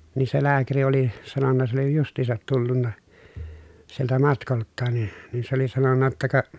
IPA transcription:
niː se læːkæri oli sɑnonːɑ s oli justˑiːsɑt tulːunːɑ sieltæ mɑtkoltːɑːn ni nin se oli sɑnonːɑ tːɑ kɑ

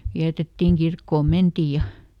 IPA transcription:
ʋiætetːiŋ kirkːoːm mentiˑj jɑ

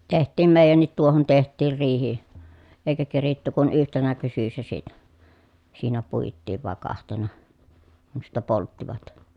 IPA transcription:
tehtˑiːm meˑi̯jænːit tuohon tehtˑiːr riːhi eˑikæ keritːy kun yhtenæ kysysːæ siːnæ siːnæ puitːiːʋ ʋɑˑe kɑhtenɑ kun̞ sitːæ poltːiʋɑt

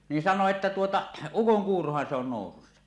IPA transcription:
niːn sɑnˑoː etːæ tuotɑ ukoŋkuːrohɑn se on noˑususːɑ

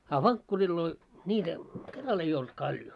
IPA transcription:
ɑ ʋɑŋkːurilːoi nʲiːtæ kerɑl ei olt kɑljo

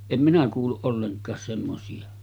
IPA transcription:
em minæ kuːlːuʔ ʔolːeŋkˑɑːs semːosiɑ

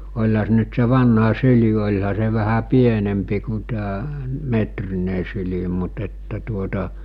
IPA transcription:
olʲhɑ se ny̆t se ʋɑnhɑ syli olʲhɑ se ʋæhæ pienempi ku tæː metrine syli mut etːæ tuotɑ

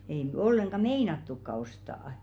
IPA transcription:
ei n̆y̆ olːeŋɡ̊ɑ meinɑtːukːɑ ostɑːɑ̆

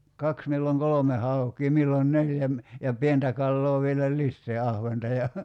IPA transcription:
kɑks milːoŋ kolome hɑukˑiː milːon neljæ m jɑ pientæ kɑlːoː ʋielæ lisːeː ɑhʋentɑ jɑ

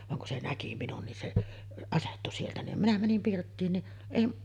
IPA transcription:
ʋɑŋ kun se næki minun nin se ɑsetːu sieltæ nim minæ mænim pirtːiːn ni eˑi

